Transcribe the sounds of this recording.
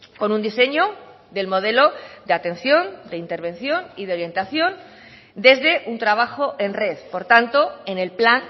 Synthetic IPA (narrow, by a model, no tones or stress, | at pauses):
ko̞nũnd̪ise̞ɲo | d̪e̞lmo̞ð̞e̞lo̞d̪eat̪ẽ̞nθjo̞nd̪eint̪e̞ɾβẽ̞n̟θjo̞niðeo̞ɾje̞nt̪aθjo̞n | d̪e̞zðe̞ʔunt̪ɾaβ̞axo̞ʔe̞nre̞ðpo̞ɾt̪ant̪o̞e̞ne̞lplan